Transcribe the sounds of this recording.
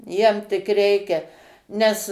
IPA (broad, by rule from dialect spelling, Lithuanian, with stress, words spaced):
ˈjiɛm tʲɪk ˈrʲɛɪkʲɛ ˈnʲɛs